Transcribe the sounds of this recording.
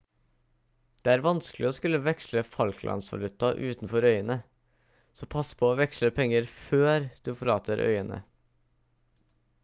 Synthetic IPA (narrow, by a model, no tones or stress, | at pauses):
d̪̥eːæːɾʋɑnsklɪɔskʉlːəʋɛksləfɑlkʰlʔɑ̰nsʋɑ̰lʉt̪ːɑʔʉːt̪nfɔɾœʏənə | sɔpʰɑspʰɔːʋɛksɭəpʰɛŋːəɾføːɾd̪̥ʉfɔɭɑːt̪ʰəɾʔœ̰ʏənə̰